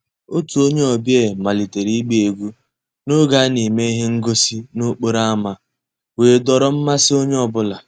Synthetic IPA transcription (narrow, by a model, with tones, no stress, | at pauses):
o˦tu˨o˦ɲe˦ɔ˨bje˦˨ma˨li˨te˨ɾi˦ɡ͡be˦e˨ɡʷu˦ | no˦ɡa˦ni˨me˦i˦ɦe˦ŋ̩˦ɡo˦si˦no˦k͡po˦ɾa˦a˦ma˨ | weː˨dɔ˨ɾɔ˦m̩˦ma˦sɪ˦o˦ɲe˦ɔ˦bʊ˦la˨